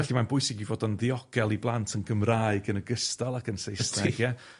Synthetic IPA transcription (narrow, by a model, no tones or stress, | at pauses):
ɛɬimanbʊɨsɪɡivoːdɔnðiɔɡ̥ɛlˠiblˠantʰənɡəmraːɨɡənəɡəstalˠakʰənsejstʰɪɡja